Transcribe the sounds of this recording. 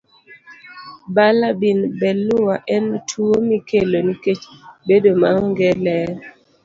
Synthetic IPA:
balabinbɛlʊwaʔɛntʰuomikeloniket͡ʃbedomaŋɡɛlɛ

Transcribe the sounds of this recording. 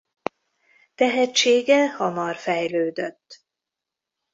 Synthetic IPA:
t̪ɛɦɛt͡ʃeːɡɛhɒmɒrfɛjløːd̪øt̪ː

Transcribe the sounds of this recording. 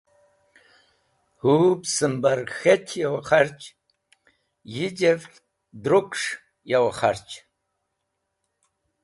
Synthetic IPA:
hubsɨmbarxetʰjawaχart͡ʃʼ | jid͡ʒev | dɾokʷʰʂ | jawaχa̰rt͡ʃʼ

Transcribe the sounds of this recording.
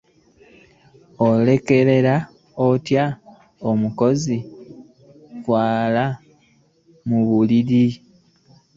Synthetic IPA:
ole̞ke̞ɾe̞ɾa | otja | omuko̞zi | fwaːla | muβuliɾi

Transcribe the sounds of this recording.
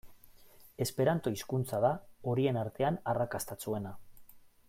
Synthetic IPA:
e̞spe̞ɾant̪o̞iskunt͡saðao̞ɾie̞naɾt̪e̞anarakast̪at͡sue̞na

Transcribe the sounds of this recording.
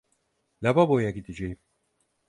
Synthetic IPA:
lʲababo̞jaɡid̪id͡ʒejim

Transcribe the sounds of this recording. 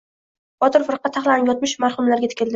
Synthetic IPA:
b̥ɒt̪ʰɪɾfɪɾqːɑt̪ʰːaχlˠanɪpjɒt̪̚mɪʃmaɾχʊmlaɾɡʲat̪ʰɪ̥kʲɪld̪ɪ

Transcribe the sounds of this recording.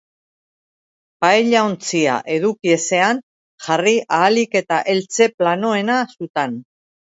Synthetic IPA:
pajʎaont͡sia̰ʔe̞ðukie̞se̞an | ʝariʔaːlike̞t̪aʔe̞lt͡se̞plano̞e̞nasut̪an

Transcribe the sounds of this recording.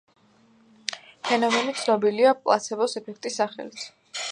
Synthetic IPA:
pʰɛnɔmɛnit̪sʰnɔbiliapʼlˠa̰t̪sʰɛbɔsɛpʰɛk̚ʰt̪ʼisːaχɛ̰lit̪ʰ

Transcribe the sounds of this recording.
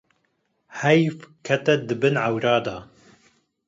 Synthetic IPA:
hɛjfkʰɛt̪ɛd̪ɨbɨnʕawɾɑːd̪ɑː

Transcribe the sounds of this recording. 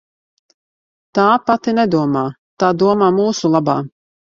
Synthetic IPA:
t̪aːpat̪inɛd̪uɔmaː | t̪aːd̪uɔmaːmuːsulˠaba̰ː

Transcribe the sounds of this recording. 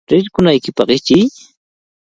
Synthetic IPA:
ɾɪɾkʊnajkɪpɑɢɪt͡ʃɪj

